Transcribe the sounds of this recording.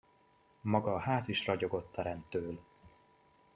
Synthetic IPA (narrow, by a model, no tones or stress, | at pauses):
mɒɡɒːɦaːziʃrɒɟo̞ɡo̞t̪ːɒɾɛnt̪ːøːl